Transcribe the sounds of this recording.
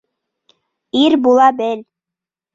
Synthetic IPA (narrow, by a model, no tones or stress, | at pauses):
iɾbulˠɑbɘl